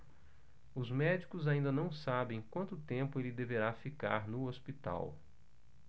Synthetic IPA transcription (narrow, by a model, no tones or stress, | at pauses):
ʊzmɛd͡ʒikʊzaĩnd̪ɐnɐ̃w̃sabẽj̃kwɐ̃nt̪ʊt̪ẽmpʊelɪd̪eveɾafika̰ɾnʊospit̪a̰w